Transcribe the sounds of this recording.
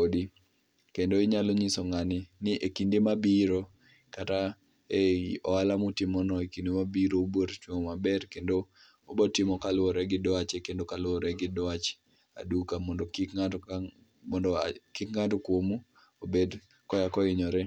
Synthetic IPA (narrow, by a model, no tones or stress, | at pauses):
odi | kendoɪɲaloɲisɔŋanɪnɪʔekindemabiɾo | kata | eɔalamutɪmɔnɔekindemabiɾoobwoɾt͡ʃwoŋɔmabɛrkendo | obɔtɪmɔkalwɔɾɛɡɪdɔat͡ʃekendokalʊɔɾɛɡɪdɔat͡ʃ | a̰dukamɔndokika | mɔndkɪkŋatɔkwomu | obed | kɔjakɔɪɲɔɾɛ